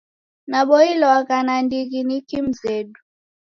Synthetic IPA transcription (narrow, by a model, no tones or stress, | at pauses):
naɓɔilɔakanandikinikim̩zɛɗu